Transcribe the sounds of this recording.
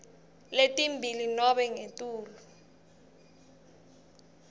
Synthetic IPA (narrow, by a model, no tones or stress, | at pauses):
letʼimbʱilinɔɓɛŋetʼuːlu